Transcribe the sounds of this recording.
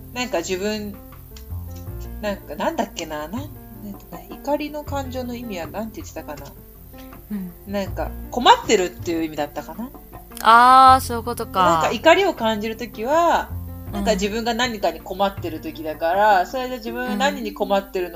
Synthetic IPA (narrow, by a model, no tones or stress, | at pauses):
nãŋkad͡ʑiβɯ̟̃n | nãŋkanãnd̪akʲːe̞nanãnnãŋkaneikaɾʲino̞kãɲ̟d͡ʑo̞ːno̞imʲiβanãnt̪eit̪ːet̪akana | nãŋka̰ko̞mat̪ːe̞ɾɯ̟t̪ːe̞jɯ̟imʲid̪at̪ːakanaaːsoɯkot̪okanãŋkaikaɾʲio̞kãɲ̟d͡ʑiɾɯ̟t̪o̞kʲiβanãŋkad͡ʑibɯ̟̃ŋɡanãɲ̟ːikaɲ̟iko̞mat̪ːe̞ɾɯ̟t̪o̞kʲid̪akaɾaso̞ɾead͡ʑiβɯ̟̃ɰ̃anãɲ̟ːiɲ̟iko̞mat̪ːe̞ɾɯ̟no